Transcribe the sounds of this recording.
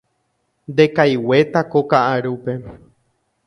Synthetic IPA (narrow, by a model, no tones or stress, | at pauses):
nd̪e̞kajwe̞t̪akokaʔaɾupe̞